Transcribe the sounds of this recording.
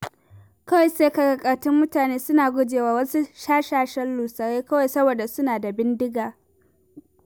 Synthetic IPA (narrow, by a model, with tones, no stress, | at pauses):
kɐ˦wa˨jseː˦ka˨ka˨kʼɐ˨rtɪ˦mːʊ˦taː˨neː˦sʊ˦naː˨ɡʷʊ˦d͡ʒeː˨waː˦wɐ˦su˦ʃaː˦ʃaː˦ʃɐ˦lluː˨sɐ˨ɽeː˦kɐ˦wa˨jsɐ˦boː˨da˨sʊ˦naː˨da˨bɪ˦ndɪ˦ɡaː˨